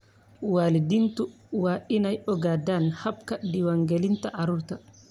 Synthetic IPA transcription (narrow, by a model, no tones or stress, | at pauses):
waːlidint̪u | waːʔinajɔɡaːdaːnhab̚kadiwaŋɡɛlint̪aʔaɾuɾt̪a